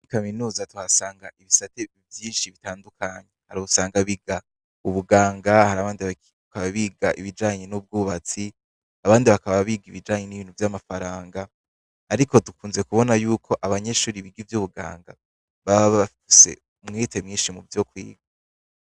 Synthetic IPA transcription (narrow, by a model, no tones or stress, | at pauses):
ikaminuːzatuhasaːŋɡaʔiβisate | vjiːnʃiβitaːndukʰaɲehaɾiusaːŋɡaβiɡa | uβuɡaːŋɡahaɾaβaːndi | akaβaβiɡaʔiβid͡ʒaːɲenub̚ɡuːβat͡si | aβaːndiβakaβaβiɡiβid͡ʒaːɲeniβiːnhuvjamafaɾaːŋɡaː | ɾiko̞tukuːnze̞kuβo̞najuːkʰo̞ʔaβaɲe̞ʃuːɾiβiɡivjuβuɡa̰ːŋɡa̰ | βaβaβafise̞̰ | umŋite̞mŋiːnʃimuvjokwḭːɡa